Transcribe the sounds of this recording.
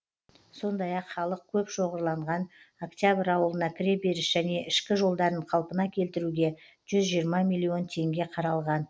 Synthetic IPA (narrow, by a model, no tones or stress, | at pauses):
so̞nd̪ɑjɑqχɑlˠəq̚kʲʰɵpʃo̞ʁəɾlˠɑɴʁɑnokt̪ʲjabɪɾɑwəlˠənɑkʲʰɪɾe̞be̞ɾɪʃʒ̥æne̞ʔɪʃkʲɪʒo̞lˠd̪ɑɾəɴqʰɑlˠpənɑkʲʰe̞lt̪ɪɾuɡʲe̞ | ʒ̥ʏzʒijəɾmɑmijlʲˠːio̞nt̪ʰe̞ŋɡʲe̞qʰɑɾɑlˠʁɑn